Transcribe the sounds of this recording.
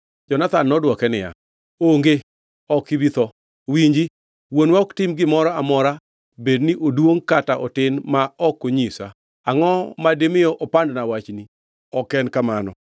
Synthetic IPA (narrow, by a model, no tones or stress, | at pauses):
d͡ʒɔnat̪anːɔdwɔkɛnɪja̰ | oŋɡe | ɔkibit̪ɔ | wiɲd͡ʒi | wonwɔktɪmɡɪmɔɾɔamɔɾa | bedniʔodwoŋkataʔɔtɪnmaɔkːoɲisa̰ | aŋɔmademɪjɔʔɔpandnawat͡ʃni | ɔkɛnkamanɔ̰